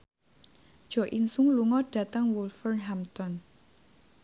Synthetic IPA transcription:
d̥ʒ̥ɔ̤ʔinsuŋluŋɔɖ̥a̤t̪əŋwulfərnɦamt̪ɔn

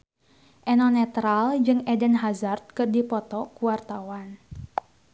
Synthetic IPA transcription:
ʔɛnɔnɛt̪ɾald͡ʒɨŋɛdənɦazart̪̚kɨrdipɔt̪ɔkuart̪awan

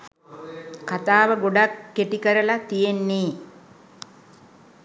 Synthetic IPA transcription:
kat̪aːʋəɡoɖakːeʈikəɾəlat̪ijenːiː

